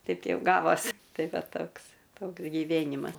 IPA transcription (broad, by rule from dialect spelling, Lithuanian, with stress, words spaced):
ˈtʲɛɪp ˈjɛʊ ˈɡɑːʋoːsʲ ˈtɐɪ ˈʋɐ ˈtoːks ˈtoːks ɡʲɪˈʋʲeːnʲɪmɐs